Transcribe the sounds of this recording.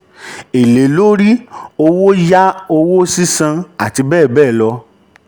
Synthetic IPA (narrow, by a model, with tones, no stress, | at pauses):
e˨le˨lo˦ɾi˦o˧wo˦ja˦o˧wo˦si˦sã˧a˨ti˧bɛː˦˨bɛː˦˨lɔ˧